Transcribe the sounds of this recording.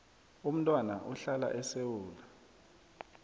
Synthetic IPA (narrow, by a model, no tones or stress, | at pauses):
um̩tʼwana̰ʔuɬala̰ʔɛsewuːla